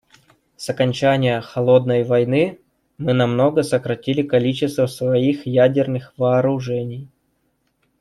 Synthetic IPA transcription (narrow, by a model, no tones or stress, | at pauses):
sɐkɐnʲt͡ɕænʲɪjəxɐlˠo̞d̪̚nəjvɐjnɨ | mɨnɐmno̞ɡəsəkɾɐtʲilʲɪkɐlʲit͡ɕɪst̪vəsvɐixjædʲɪrnɨxvɐːɾʊʐɛnʲɪj